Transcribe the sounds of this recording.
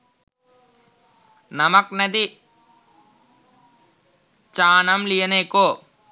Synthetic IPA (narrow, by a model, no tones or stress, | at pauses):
nɐmɐknɐd̪i | t͡ʃaːnɐmlijɐneːkoː